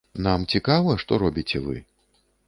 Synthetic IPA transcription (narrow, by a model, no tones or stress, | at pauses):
namt͡sʲikavɐʂt̪ɔɾɔbʲit͡sʲɛvɨ̰